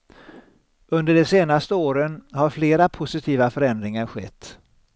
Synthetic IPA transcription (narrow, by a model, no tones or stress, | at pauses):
ɵnd̪əɖɛseːnast̪əoːɾənhaɾfleːɾapʰʊsɪt̪ʰiːvafœɾɛnd̪ɾɪŋaɾɧɛ̰t̪ː